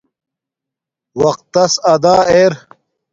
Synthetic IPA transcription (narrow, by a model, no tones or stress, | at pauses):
wɐq̚t̪ːɐsɐd̪aːeːɾ